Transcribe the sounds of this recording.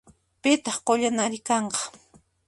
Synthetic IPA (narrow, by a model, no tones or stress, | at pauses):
pɪt̪ɑχqoʎanaɾɪkɑɴqɑ̥